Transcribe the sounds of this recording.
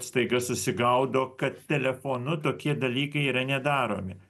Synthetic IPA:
st̪ɐɪɡɐssʊsʲɪɡɐʊd̪oːkɐt̪t̪ʲɛlʲɛfoːnʊt̪oːkʲiɛd̪ɐlʲiːkɐɪiːɾɐnʲɛd̪ɑːɾo̰ːmʲɪ

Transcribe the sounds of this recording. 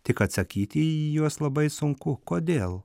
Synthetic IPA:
t̪ʲɪkɐt̪sɐkʲiːt̪ʲɪijuɔslˠɐbɐɪsʊŋkʊkoːd̪ʲeːlˠ

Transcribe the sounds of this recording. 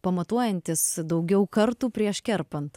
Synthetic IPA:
pɐmɐt̪uɔjɛnʲt̪ʲɪsd̪ɐʊɡʲɛʊkɐɾt̪uːpʲɾʲiɛʃkʲɛɾpɐnt̪

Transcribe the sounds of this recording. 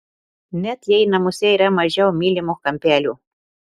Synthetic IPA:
net̪jajnamusejɾamaʒawmilʲemoxkampealʲu

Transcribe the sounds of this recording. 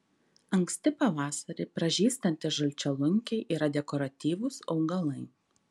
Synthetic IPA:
ɐŋksʲt̪ʲɪpɐʋɑːsɐɾʲɪpɾɐʒʲiːst̪ɐnʲt̪ʲɪʒɐlʲt͡ʃʲɛlˠʊŋʲkʲɛɪʔiːɾɐd̪ʲɛkɔɾɐt̪ʲiːʋʊsɒʊɡɐlˠɐɪ

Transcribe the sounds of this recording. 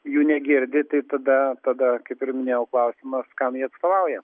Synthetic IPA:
juːnʲɛɡʲɪɾʲd̪ʲɪt̪ɐɪt̪ɐd̪ɐt̪ɐd̪ɐkɐɪpɪrmʲɪnʲeːjɛʊklˠɐʊsʲɪmɐskɐmjiːɐt̪st̪oːʋɐʊjɛ

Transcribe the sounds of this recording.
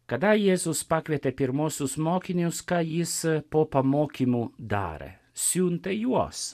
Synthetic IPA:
kad̪ajezuspakʋʲet̪ɛpiɾmosusmokiniuskajispopamokimud̪a̰ːɾɛ̰ | sjunt̪ɛjua̰s

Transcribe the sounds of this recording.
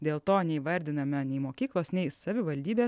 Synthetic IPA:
d̪ʲeːlˠt̪oːnʲɛɪʋɐɾʲd̪ʲɪnɐmʲɛnʲɛɪmoːkʲiːklˠoːsnʲɛɪsɐʋʲɪʋɐlʲd̪ʲiːbʲeː

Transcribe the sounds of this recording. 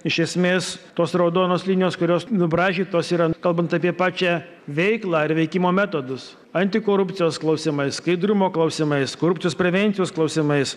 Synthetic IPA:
ɪʃʲɛsʲmʲeːst̪oːsɾɐʊd̪oːnoːslʲinʲɪjoːskʊɾʲoːsnʊbɾɑːʒʲiːt̪oːsiːɾɐkɐlˠbɐnt̪ɐpʲiɛpɑːt͡ʃʲæː | ʋʲɛɪklˠɑːɪɾʋʲɛɪkʲɪmoːmʲæːt̪oːd̪ʊs | ɐnʲt̪ʲɪkoːɾʊpʲt̪sʲɪjoːsklˠɐʊsʲɪmɐɪsskɐɪd̪ɾʊmoːklˠɐʊsʲɪmɐɪsskoːɾʊpʲt͡s̪ʲɪjoːspʲɾʲɛʋʲɛnʲt̪ʲɪjoːsklˠɐʊsʲɪmɐɪs

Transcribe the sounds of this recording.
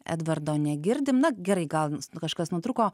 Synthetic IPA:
ɛ̰d̪ʋɐɾd̪oːnʲɛɡʲɪɾʲd̪ʲɪmnɐɡʲɛɾɐɪɡɐlˠkɐʃkɐsnʊt̪ɾukoː

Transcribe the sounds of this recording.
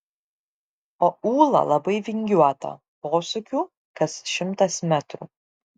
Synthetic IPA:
oːuːlˠɐ̰lˠɐbɐɪʋʲɪŋʲɡʲuɔt̪ɐ̰ | poːsʊkʲuː | kɐsʃʲɪmt̪ɐsmʲæt̪ɾṵː

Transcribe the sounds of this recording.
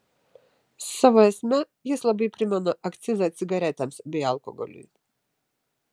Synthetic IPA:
sɔvɔɛsmɛ | jɛslˠabipɾimanɔʔakt̪sizat̪siɡaɾɛt̪amsbialˠkɔ̰ɡɔ̰lʲḭ

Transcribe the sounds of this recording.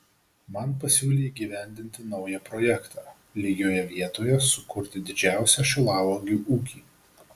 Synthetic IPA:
mɐnpɐsʲuːlʲeːiːɡʲiːʋʲæˑnʲd̪ʲɪnʲt̪ʲɪnɒʊjɛpɾɔjɛkt̪ʰɑː | lʲiɡʲoːjɛʋʲiɛt̪oːjɛsʊkʊɾʲt̪ʲɪd̪ʲɪd͡ʒʲæˑʊsʲɛʃʲʊlˠɑːʋoɡʲuːʔuːkʲiː

